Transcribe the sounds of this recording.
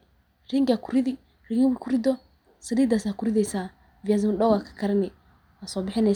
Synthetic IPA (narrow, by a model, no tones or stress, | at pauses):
ɾiŋɡakuɾiði | ɾiŋbkuɾido | sadid̪asakuɾidesa | viazmdowakḁkaɾne | asobɪħine